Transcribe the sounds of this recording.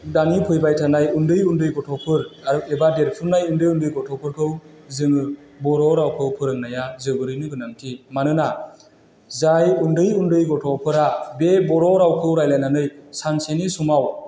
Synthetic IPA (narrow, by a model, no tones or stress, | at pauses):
danipʰɯjbajtʰanajundɯjundɯjɡɔtʰɔpʰɯɾaɾebadeɾpʰɯɾnajundɯjundɯjɡɔtʰɔpʰɯɾkʰɯw | zɯŋɯ | bɔɾɔɾawkʰɯwpʰɯɾɯŋnajazɯbɯɾɯjnɯɡɯnaŋtʰimanɯna | zajundɯjundɯjɡɔtʰɔpʰɯɾabebɔɾɔɾawkʰɯwɾajlajnanɯjsansenisumaw